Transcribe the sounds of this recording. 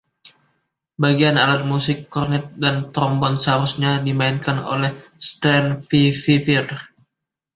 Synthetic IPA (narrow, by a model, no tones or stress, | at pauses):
baɡianalat̪̚musɪkːɔrnɛt̪̚dant̪ɾɔmbɔnsəɦaɾusɲadimaɪnkano̰lɛhst̪ɾɛnfififir